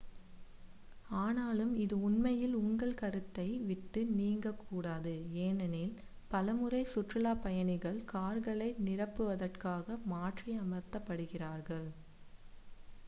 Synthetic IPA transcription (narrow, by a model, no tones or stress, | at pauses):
aːnaːlɯmɪðɯʊnmɐjɪlʊŋɡɐɭkɐɾɯt̪ːɐɪʋɪʈːɯniːŋɡɐkːuːɽaːðɯeːnɐneːl | pɐlɐmɯrɐɪsʊʈrɐlaːpɐjɐɳɪɣɐɭkaːɾɣɐɭɐɪnɪrɐpːɯʋɐðɐrkaːɣɐmaːʈriɐmɐɾt̪ːɐpːɐɽɯɣɪraːɾɣɐɭ